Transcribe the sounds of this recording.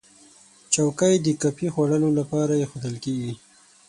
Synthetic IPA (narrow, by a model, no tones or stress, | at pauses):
t͡ʃawkəjd̪əkapixwaɽəlolapɑɾajexod̪əlkeɡi